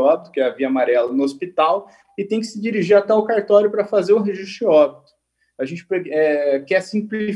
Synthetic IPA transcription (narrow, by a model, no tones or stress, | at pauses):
ɔbit̪ʊkɪɛɐviɐamaɾɛlɐnʊospit̪aw | ɪt̪ẽj̃kɪ̥sɪd͡ʒiɾiʒiɾat̪ɛawkaɾt̪ɔɾjʊpɾɐfazeɾʊ̃ɦeʒist̪ɾʊɔbit̪ʊ̥ | aʒẽnt͡ʃɪ̥peɛkɛsĩpli